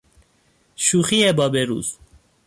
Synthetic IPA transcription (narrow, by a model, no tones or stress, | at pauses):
ʃuːxiebɒːbeɾṵːz̥